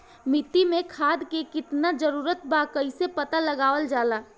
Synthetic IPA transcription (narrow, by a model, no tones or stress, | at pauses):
mɪt̪imẽkʰaːd̪kekɪt̪nad͡ʒəɾuːɾət̪̚baːkəɪsepət̪aləɡaːʋəld͡ʒaːlaː